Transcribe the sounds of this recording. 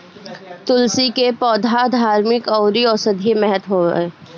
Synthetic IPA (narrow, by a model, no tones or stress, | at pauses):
t̪ʊlsikepɔːd̪ʱad̪ʱaːɾmɪkɔːɾiɔːɾsɐd̪ʱemɛɦət̪ɦo̰ːeː